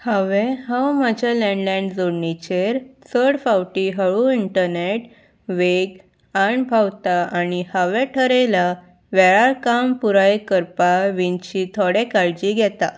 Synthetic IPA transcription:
haʋɛ̃ɦawmad͡ʑʱalɛɳɖlɛ̃ɳɖd͡zoɽnit͡ɕeɾt͡səɽfawʈiɦəɭuiɳʈəɾneʈ | ʋeɡ | aɳbʱawt̪aañihaʋɛʈʰəɾela | ʋɛɭaɾkampuɾajkəɾpaʋint͡ɕit̪ʰoɽɛkaɭd͡ʑiɡʱɛt̪a

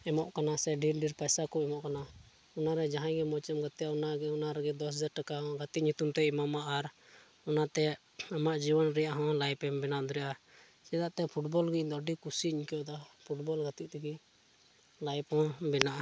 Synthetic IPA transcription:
ɛmɔʔkanasɛɖiɾɖiɾpajsakɔɛmɔʔkana | unaɾɛd͡ʒaɦãɡɛmɔt͡ʃɛmɡat̪ɛjaunaɡɛunaɾɛɡɛd̪ɔsd͡ʒaɾʈakaɔ̃ɡat̪iʔ̚ɲut̪umt̪ɛimamaʔːɾ | ɔnat̪ɛ | amaʔd͡ʒibɔnɾɛjaʔɦɔ̃lajpɛmbɛnaʔd̪ɔɾɛja | sɛd̪aʔt̪ɛpʰuʈbɔlɡid̪ɔɖikusiiɲkɛjɔd̪apʰuʈbɔlɡat̪iʔt̪ɛɡi | lajpɔ̃bɛnaʔa

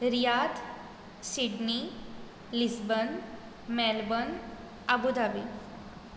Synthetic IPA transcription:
ɾijad̪ | siɖni | lisbən | mɛlbən | abud̪abi

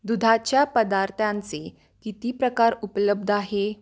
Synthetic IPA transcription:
d̪ud̪ʱat͡ɕjapəd̪aɾt̪ʰãnt͡se | kit̪iːpɾəkaɾupləb̚d̪ʱaɦe

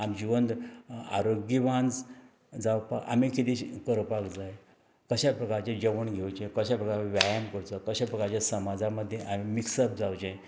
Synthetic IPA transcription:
amd͡ʑiʋənd̪a̰ɾoɡjiʋãnd͡z | d͡zawpaka̰mikit̪iɕkəɾpakd͡zaj | kəɕapɾəkaɾt͡ɕed͡ʑəʋəɳɡʱewt͡ɕẽkəɕapɾəkaɾʋjajamkəɾt͡səkəɕapɾəkaɾt͡ɕjasəmad͡zaməd̪ʱːjeʔamimiksəbd͡zawt͡ɕej

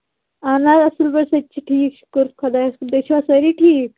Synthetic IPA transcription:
anaɐslbɐɾsɐt͡ʃʰiʈʰiːkʃu̥kəɾkʰɐd̪ad̪et͡ʃʰʋasɐɾiʈʰiːk

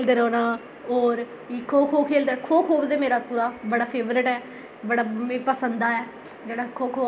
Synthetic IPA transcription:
ld̪əɾɔ̃ːnaː | oːɾ | ikʰoːbkʰuːbkʰeːld̪əɾkʰuːbkʰuːbdɛːmeːɾaːpuːɾaːbəɽaːpʰeːʋɾɪʈɛː | bəɽaːmepəsənd̪aːɛː | d͡ʒeːɽaːkʰuːbkʰuː

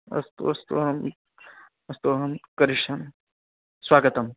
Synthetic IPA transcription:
ɐ̰st̪o̰ɐst̪o̰ːɦɐm | ɐst̪oːɦɐmkɐɾiʃɐm | swaːɡət̪ɐm

